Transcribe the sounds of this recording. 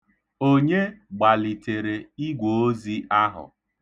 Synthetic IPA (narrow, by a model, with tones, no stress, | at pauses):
o˦ɲe˦ɡ͡ba˨li˨te˨ɾe˨i˦ɡʷo˨˦o˦zi˦a˦ɦʊ̰˨